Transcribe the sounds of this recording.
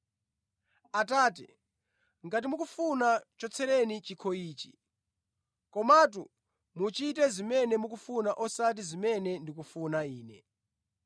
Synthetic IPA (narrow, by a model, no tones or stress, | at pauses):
ataːti | ŋɡat̬imukufunat͡ʃɔt͡sʰɛɾɛnit͡ʃikʰɔiːt͡ʃi̥ | kɔmat̬u | mut͡ʃit̬ɛzimɛnɛmukufunaʔɔsat̬izimɛnɛndikufunaiːnɛ̰